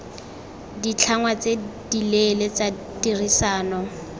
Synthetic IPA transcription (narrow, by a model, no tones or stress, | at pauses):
dit͡ɬʰaŋwat͡sedilelet͡sa | dirisaːnɔ